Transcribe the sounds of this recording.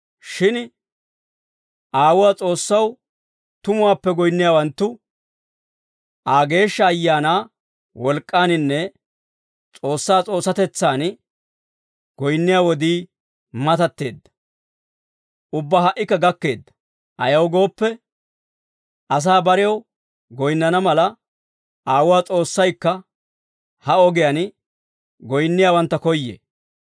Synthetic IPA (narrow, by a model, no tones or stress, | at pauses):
ʃɪn | ʔaːwʊwaːt͡sʼo̞ːsːɐw | t̪ʊmʊwaːpːɛɡɔjnːɪjaːwɐnt̪ːʊ | ʔaːɡe̞ːʃːɐːjːaːnaː | wɔlkʼːaːnɪnːɛ | t͡sʼo̞ːsːaːt͡sʼo̞ːsːɐt̪ɛt͡sːaːn | ɡ̥ɔjnːɪjaːwɔd̪iː | mɐt̪ɐt̪ːe̞̰ːd̪ːɐ̥ | ʔʊbːaɦɐʔːɪkːɐɡɐkːe̞ːd̪ːɐ̥ | ʔɐjɐwɡo̞ːpːɛ | ʔɐs̬aːbɐɾɪjɐw | ɡɔjnːɐnɐmɐlɐ | ʔaːwʊwaːt͡sʼo̞ːsːɐjkːɐ | hɐɔɡɪjan | ɡɔjnːɪjaːwɐnt̪ːɐkɔjːḛ